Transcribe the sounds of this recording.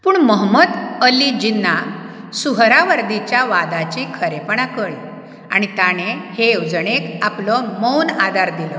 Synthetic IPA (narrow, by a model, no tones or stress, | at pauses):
puːɳməɦməd̪əlid͡ʑinːa | suɦɾaʋəɾd̪it͡ɕjaʋad̪at͡ɕẽkʰəɾepəɳ̃akəɭḭ | a̰ɽ̃it̪aɽ̃ehewd͡zəɽ̃ekaplɔməwnad̪ʱaɾd̪ilɔ